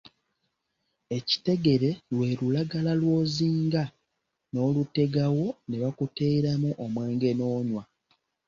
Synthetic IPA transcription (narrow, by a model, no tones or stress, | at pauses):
e̞ci̥te̞ɡe̞ɾe̞lwe̞ːlulaɡalalwo̞ːziːŋɡa | no̞ːlute̞ɡawo̞neβakute̞ɾamuʔomwe̞ːŋɡe̞noːɲwa